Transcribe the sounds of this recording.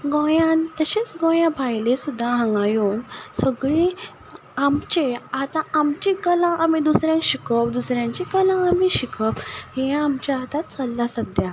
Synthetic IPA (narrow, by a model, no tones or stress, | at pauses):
ɡɔ̃jãnt̪əɕet͡sɡɔ̃jãbʱajlesud̪ʱːaɦə̃ŋɡajuːnsəɡɭe | amt͡ɕeat̪ãamt͡ɕikəlãʔamid̪usɾjãŋkɕikəpd̪usɾjãɲt͡ɕikəlãːmiɕikʰəphẽamt͡ɕaat̪at͡səlːasəd̪ja